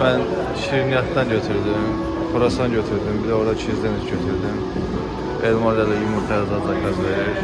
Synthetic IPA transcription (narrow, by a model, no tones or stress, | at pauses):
mæn | ʃiɾnijɑt̪d̪ɑnɟøt̪ʰyɾd̪im | fʰoɾasd̪ɑnɟøt̪ʰyɾd̪imbilɛo̞ɾd̪ɑt͡ʃʰizd̪enizɟøt̪ʰyɾd̪im | elmand̪alɛjymut̪ʰad̪ɑd̪lˠɑkʰɑzveɾiɾ